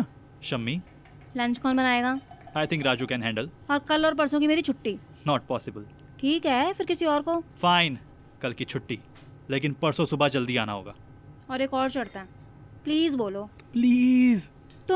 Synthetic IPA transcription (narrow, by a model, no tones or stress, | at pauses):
ʃɐmːi | lɐ̃nt͡ʃkɔːnbɐnaːeːɡaːaɪt̪ʰɪ̃ŋkɾaːd͡ʒukɛ̃nɦɛ̃ːɳɖəl | ɔːɾkɐlɔːɾp̬ɐɽsõkimeːɾit͡ʃʰʊʈːi | nɔːʈ̚pɔːsɪbəl | ʈʰiːkɦɛfɪɾkɪsiɔːɾkofaːɪ̃n | kɐlkit͡ʃʰʊʈːi | leːkɪnpɐɽsõsʊbad͡ʒɐld̪iaːnaɦo̰ːɡa̰ː | ɔːɾeːkɔːɖt͡ʃɐɽt̪aɦɛ̃ː | pliːzboːloː | pliːz | t̪ʊ